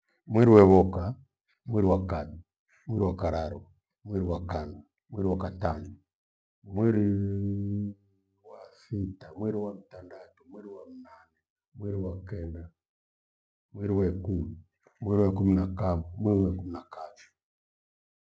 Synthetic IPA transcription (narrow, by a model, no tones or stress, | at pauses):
mwɛɾiwɛβɔka | mwɛɾiwakami | mwɛɾiwakaɾaɾɔ | mwɛɾiwakanu | mwɛɾiwakatanu | mwɛɾi | wasitamwɛɾiwam̩tandatumwɛɾiwamunanɛ | mwɛɾiwakɛnda | mwɛɾiwɛkumi | mwɛɾiwakuminakamumwɛɾiwɛkuminakaβi